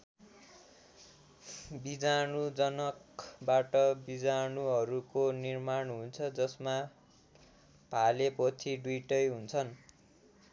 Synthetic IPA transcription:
bid͡zanud͡zʌnʌkbaʈʌbid͡zanuɦʌɾukonirmaɳɦunt͡sʰʌd͡zʌsma | palepot͡sʰiɖwiʈʌjɦunt͡sʰʌn

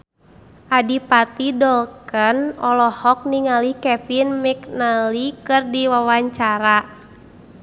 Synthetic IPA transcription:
ʔadipat̪idɔlkənɔlɔhɔk̚niŋalihkɛfinmiknalikɨrdiwawaɲt͡ʃaɾa

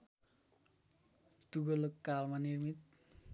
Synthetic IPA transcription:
t̪uɡolokːalmanirmit̪̚

